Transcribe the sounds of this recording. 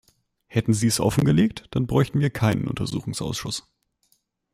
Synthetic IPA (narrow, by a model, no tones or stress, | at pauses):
hɛtn̩ziːɛsʔɔ̰fn̩ɡəleːk̚td̥anbʁɔʏçtn̩viːɐkʰaɪnə̰nʔʊ̰ntɐzuːxʊŋsʔa̰ʊsʃʊs